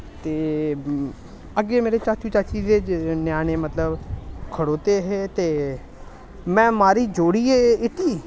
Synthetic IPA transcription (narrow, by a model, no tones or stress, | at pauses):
t̪eː | əɡːeːmeːɾeːt͡ʃaːt͡ʃuːt͡ʃaːt͡ʃiːzeːnjaːñeːmət̪ləbkʰəɽoːt̪eːɦeːt̪eː | mɛ̃ːmaːɾiːd͡ʒoːɽiːeːɪʈ̪iː